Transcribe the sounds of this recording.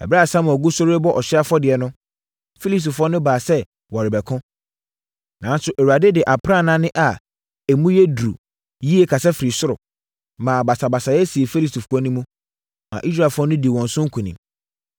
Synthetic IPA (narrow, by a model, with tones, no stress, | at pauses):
ɛ̰˨ba˦˨sã˦m˨ɔ˨ɡu˦sʊ˦ɾe˦bɔ˦ʔɔ˨ɕɛ˦a˦fɔ˦dɪ˨ɛ˨nʊ̃˦ | fi˦li˦sti˨fɔ˦nʊ̃˦baː˨sɛ˦ | wɔ˨ɾɪ˨bɛ˨kʰʊ̃˦ | nã˨˦n˦sʊ˨ʔæ˨wu˨a˨de˦dɪ˨ʔa˨pʰɾa˦˨nã˦nɪ̃˦ʔa˨ | æ˨mũ˦jɛ˦dɾṵ˨ | ji˦e˦kʰa˨sɛ˦fi˨ɾi˨sʊ˦ɾʊ̰˨ | mãː˨ba˨sa˨ba˨sa˨jɛ˦si˨e˨fi˦li˦sti˨fɔ˦nʊ̃˦mũ˦ | mã̰˨ʔi˦s̬ɾa˦˨fɔ˦nʊ̃˦di˨wɔ̃˨n̩˨sʊ̃˦ŋ̩˦kʰũ˨nĩ˨